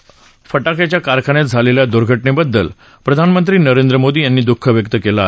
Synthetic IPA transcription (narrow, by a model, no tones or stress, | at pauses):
fəʈakjat͡ɕjakaɾkʰañet̪̚d͡zʱaleljad̪uɾɡʱəʈɳebəd̪ːəl | pɾəd̪ʱanmənt̪ɾiːnəɾend̪ɾəmod̪iːjanːiːd̪ukʰːəʋjək̚t̪əkelaːɦ